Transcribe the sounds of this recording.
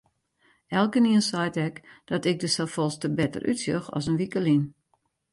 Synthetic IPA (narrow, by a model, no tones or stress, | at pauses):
ɛlˠkəniənsɛjtɛkd̥ɔtɪk̚dəsɛfɔlˠstəbɛtə̰rʔy̰tsjøxɔ̰s̬ənʋikəlin